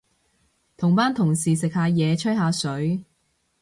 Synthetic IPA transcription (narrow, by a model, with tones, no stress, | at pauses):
t̪ʰʊ˨˩ŋpaː˥nt̪ʰʊ˨˩ŋsiː˨˩sɪ˨k̚haː˨˧jɛː˨˧t͡ʃʰɵ˥ɦaː˨˧sɵ˨˥ɥ